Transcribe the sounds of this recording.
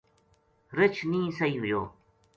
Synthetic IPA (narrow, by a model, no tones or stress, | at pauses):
ɾɪt͡ʃʰnĩːsəɦiːɦʊjoː